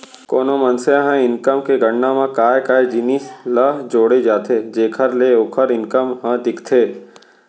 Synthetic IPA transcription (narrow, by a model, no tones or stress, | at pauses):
koːnõmɐnsejãɦə̃ɪnkəmkeɡʱəɳːãmãkaːjkaːjd͡ʒiniːsləɦd͡ʒoːɽed͡ʒaːt̪ʰed͡ʒeːkʰəɾleoːkʰəɾɪnkəmɦə̃d̪ɪkʰt̪ʰeː